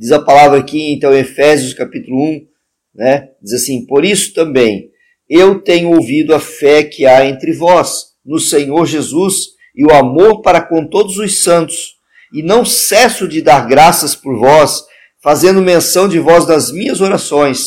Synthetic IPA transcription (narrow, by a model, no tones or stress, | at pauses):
d͡ʒizɐpalavɾɐakiẽt̪ɐ̃w̃ẽefɛzjʊskapit̪ʊlʊũ | nɛd͡ʒizɐsĩpoɾisʊ̥t̪ɐ̃mbẽj̃ | ewt̪ẽɲʊowvid̪ʊɐfɛkʰɪaẽnt̪ɾɪvɔs | nʊsẽɲoɾʒezus | ɪʊamoɾpaɾɐkõt̪od̪ʊzʊsɐ̃nt̪ʊ̥s | ɪnɐ̃w̃sɛsʊd͡ʒɪd̪aɾɡɾasɐspʊɾvɔs | fazẽnd̪ʊmẽsɐ̃w̃d͡ʒɪvɔznɐzmĩɲɐzoɾasõj̃s